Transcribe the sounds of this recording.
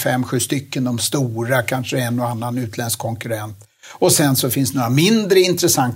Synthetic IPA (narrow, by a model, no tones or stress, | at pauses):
fɛmːɧʉ̟ːst̪ʏkːənd̪ɔmst̪uːɾakʰanʂəɛnːɔanːanʉ̟ːt̪ʰlɛnskkʰɔŋkɵɾɛnt̪ | ɔsɛnsɔfɪnst̪noːɾamɪnd̪ɾəɪnt̪ɾəsaŋt̪